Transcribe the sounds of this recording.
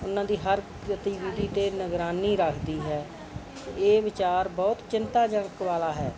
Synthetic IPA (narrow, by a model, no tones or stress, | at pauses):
ʊnãːd̪iːɦəɾkɾət̪iːʋiːd̪iːt̪eːnəɡɾaːniːɾəkʰd̪iːɦɛː | eːʋɪt͡ʃaːɾbɔːt̪t͡ʃɪnt̪aːd͡ʒə̃ŋkʋaːlaːɦɛː